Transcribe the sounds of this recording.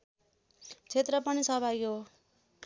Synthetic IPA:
t͡sʰet̪rʌpʌnisʌbʱaɡiɦo

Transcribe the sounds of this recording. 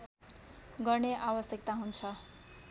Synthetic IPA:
ɡʌrneʔabʌsjʌk̚t̪aɦunt͡sʰʌ

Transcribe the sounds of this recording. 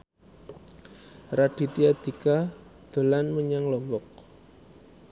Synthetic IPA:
rad̥i̤t̪iad̪̥i̤kad̪̥o̤lanməɲaŋlɔmbɔk̚

